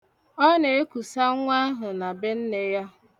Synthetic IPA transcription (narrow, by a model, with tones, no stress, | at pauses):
ɔ˦ne˨e˦ku˨sa˦ŋʷa˦ɦʊ˨na˨be˦n̩˦ne˨ja˦